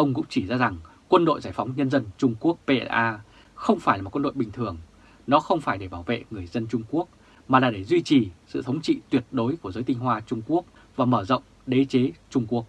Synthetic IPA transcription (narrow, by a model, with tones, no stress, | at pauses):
ʔə˧wŋ͡mkʊ̰˧˥ŋ͡mt͡ɕi˧˩zaː˧za˨˩ŋ | kwə˧nɗo̰˧˨jzaː˧˩jfa˨˦wŋ͡mɲə˧nzə˧nt͡ɕʊ˧ŋ͡mku˦˥ək̚pe˧ʔɛ̰˧ʔaː˧ | xə˧wŋ͡mfaː˧˩jlaː˨˩tkwə˧ɗo̰˧˨jɓï˨˩ŋ̟t̪ʰɨ˨˩əŋ | nɔ˨˦xə˧wŋ͡mfaː˧˩jɗe˧˩ɓaː˧˩wvḛ˧˨ŋɨ˨˩əjzə˧nt͡ɕʊ˧ŋ͡mku˦˥ək̚ | maː˨˩laː˨˩ɗe˧˩zwi˧t͡ɕi˨˩sɨ̰˧˨t̪ʰə˨˦wŋ͡mt͡ɕḭ˧˨t̪wi˨˩ət̚ɗo˨˦jku˧˩əzəː˨˦jt̪i˧ŋ̟ɦwaː˧t͡ɕʊ˧ŋ͡mku˦˥ək̚ | vaː˨˩məː˧˩zə̰˧˨wŋ͡m | ɗe˨˦t͡ɕe˨˦t͡ɕʊ˧ŋ͡mku˦˥ək̚